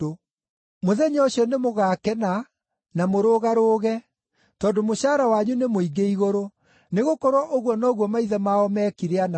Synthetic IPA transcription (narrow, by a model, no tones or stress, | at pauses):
o | moðɛɲɔɕiɔnemoɣaːkɛna | namoɾoːɣaɾoːɣɛ | tɔːndomoʃaːɾawaɲunemoiɡeiɣoɾo | neɣokɔɾwɔʔoɣwɔnɔːɣwɔmaiðɛmaɔmɛkiɾeana